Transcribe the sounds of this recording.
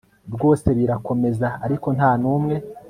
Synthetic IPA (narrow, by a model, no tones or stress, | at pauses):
bɡo̞ːse̞βiɾako̞me̞zaːɾiko̞n̥haːnuːmŋe̞